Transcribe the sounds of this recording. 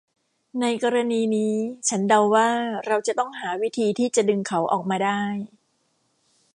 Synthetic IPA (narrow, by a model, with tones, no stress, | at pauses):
na˧jkɔː˧ɾa˧niː˧niː˦˥t͡ɕʰa˦˥nda˧wːaː˥˩ɾa˧wt͡ɕa˨˩t̪ɔ˥˩ŋɦaː˩˦wi˦˥t̪ʰiː˧t̪ʰiː˥˩t͡ɕa˨˩dɯ˧ŋkʰa˦˥wʔɔ̰ː˨˩k̚maː˧daː˥˩j